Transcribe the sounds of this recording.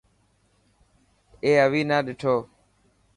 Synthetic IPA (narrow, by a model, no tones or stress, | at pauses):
eːəʋiːnaːɗɪʈʰoː